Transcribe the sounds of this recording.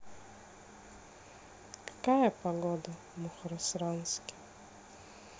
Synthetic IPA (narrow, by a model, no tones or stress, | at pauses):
kḁkajɐpaɣɔd̪ɐ | muxɾɔsɾanskʲɪ̥